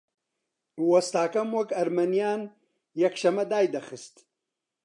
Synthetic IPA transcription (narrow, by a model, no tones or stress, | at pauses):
wɐst̪aːkɐmwɐkɐɾmɐnijaːn | jɐkʃɐmɐd̪aːjd̪ɐxɨst̪